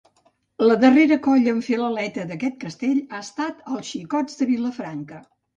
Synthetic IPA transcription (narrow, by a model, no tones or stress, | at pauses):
ləðəreɾəkɔʎəːɱfeləlɛt̪əðəkɛt̪̚kəst̪eʎaəst̪at̪əlˠsʃikɔd͡zd̪əβiləfɾaŋkə